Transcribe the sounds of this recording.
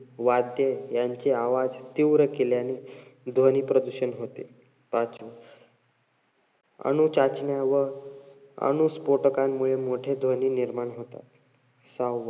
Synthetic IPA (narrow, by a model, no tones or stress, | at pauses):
ʋad̪jejaɲt͡ɕeaʋad͡zt̪iʋɾəkeljanid̪ʱəniːpɾəd̪uɕənɦot̪e | pat͡sʋə | ə̰ɽ̃ut͡ɕat͡ɕɳjaʋə | ə̰ɽ̃uspoʈəkamːuɭemoʈʰed̪ʱʋəniːniɾmaɳɦot̪a̰t̪ | sawːə